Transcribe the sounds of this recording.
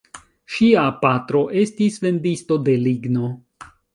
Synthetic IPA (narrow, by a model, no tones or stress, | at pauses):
ʃiapatɾo̞ʔe̞stisve̞ndisto̞de̞liɡno̞